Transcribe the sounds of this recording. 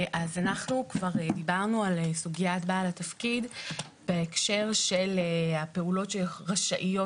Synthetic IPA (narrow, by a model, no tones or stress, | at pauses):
ʔazanaχnukvaʁdibaʁnualesuɡijatbaːlatafkid | beekʃe̞ʁʃe̞lehape̞ulo̞tʃeʁaʃaʔijo̞